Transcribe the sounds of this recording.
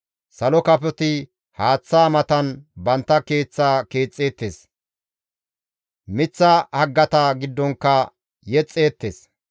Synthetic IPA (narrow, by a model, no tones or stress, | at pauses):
sɐlɔkɐpɔt̪ɪ | haːt͡sːaːmɐt̪ɐnbɐnt̪ːɐke̞ːt͡sːaːke̞ːt͡sʼːe̞ːt̪ːeːs | mɪt͡sːɐhɐɡːɐt̪ɐɡɪd̪ːɔŋkːɐ | jɛt͡sʼːe̞ːt̪ːes